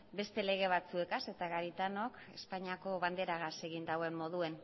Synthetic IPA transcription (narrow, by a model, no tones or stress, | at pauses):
be̞st̪e̞le̞ɣ̞e̞β̞at͡sue̞kase̞t̪aɣaɾit̪ano̞k | e̞spaɲiako̞βand̪e̞ɾaɣase̞ɣind̪awe̞mmo̞ð̞ue̞n